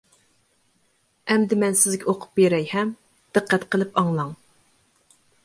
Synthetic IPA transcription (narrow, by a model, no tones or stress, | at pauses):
ɛmd̪ɪmɛnsɪzɡʲɛoqʰʊ̥p̚beɾɛjhɛm | d̪̥ɨqʰːɛt̪qʰəlˠɨpɑŋlˠɑŋ